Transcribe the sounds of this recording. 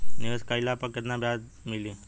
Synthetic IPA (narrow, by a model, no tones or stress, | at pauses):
niʋəskailapəkːət̪nabjad̪ | milĩ